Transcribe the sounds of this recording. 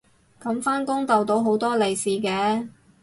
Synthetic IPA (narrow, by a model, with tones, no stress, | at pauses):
kɐ˨˥mfaː˥nkʊ˥ŋt̪ɐ˨wt̪o˨˥wɦo˨˥wt̪ɔː˥le˨˩jsiː˨˩kɛː˨˥